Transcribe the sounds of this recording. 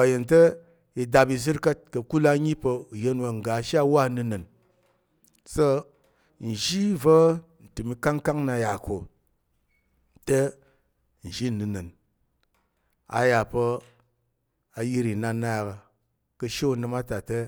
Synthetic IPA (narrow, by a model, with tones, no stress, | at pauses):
a˨je˨ntə˦ | i˨da˧bi˧zɨ˦ɾkə˦t̚kɐ˨ku˦la˦˧˦ɲi˦pə˧u˨je˧n˦wa˧ŋ̩˨ɡa˨˦ʃa˦wa˦˨˧nɨ˧nɨ˨n | so˦ | n̩˨ʒi˦və˦n̩˨tɨ˨mi˧ka˦ŋ˦ka˦ŋna˧˦ja˨kʰo˨ | te˦ | n̩˨ʒi˦˨nɨ˨nɨ˨n | a̰˨ja˨pə˧ | a˧ji˦ɾi˨na˧na˦˨ka˧ | kə˧ʃe˦u˨nɨ˧ma˦ta˨te˦